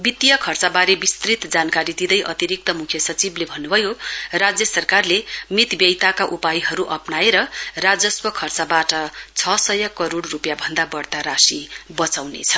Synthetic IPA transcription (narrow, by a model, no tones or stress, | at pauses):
bit̪ijʌkʰʌrt͡sabaɾebist̪rit̪d͡zankaɾid̪id̪ʌjʔʌ̰t̪iɾik̚t̪ʌmukʰjʌsʌt͡siblebʱʌnːubʱʌjorad͡zjʌsʌrkarlemit̪bjʌjt̪akaʔupajɦʌɾuʔʌpnaeɾʌrad͡zʌswʌkʰʌrt͡sabaʈʌt͡sʰʌsʌjʌkʌɾoɽrupjabʱʌnd̪abʌrt̪aɾasibʌt͡sawnḛt͡sʰʌ̥